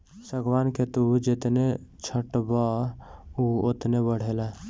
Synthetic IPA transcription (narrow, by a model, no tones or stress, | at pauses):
səɡwaːnket̪ud͡ʒet̪net͡ʃʰəʈba | uot̪nebəɽ̤ela